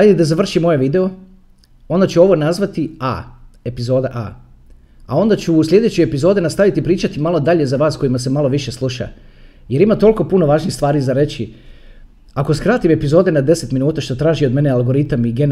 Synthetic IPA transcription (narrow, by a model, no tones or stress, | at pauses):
ajd̪ed̪azaʋr̩ʃimo̞je̞ʋid̪e̞o̞ | o̞nd̪at͡ɕuo̞ʋo̞nazʋat̪ia̰ːe̞pizo̞ːd̪aʔa̰ː | a̰o̞nd̪at͡ɕuslʎʲe̞d̪e̞t͡ɕojepizo̞ːd̪enast̪aʋit̪ipɾiːt͡ʃat̪imalˠo̞d̪aʎe̞zaʋaːsko̞jimasemalo̞ʋiʃe̞slˠuʃa̰ | je̞ɾimat̪o̞liko̞puno̞ʋaːʒnixst̪ʋaːɾizaɾe̞t͡ɕi | ako̞skɾaːt̪ime̞pizo̞ːd̪e̞nad̪e̞se̞t̪minuːt̪aʃt̪o̞t̪ɾaːʒio̞d̪me̞nealˠɡo̞ɾit̪amiɡen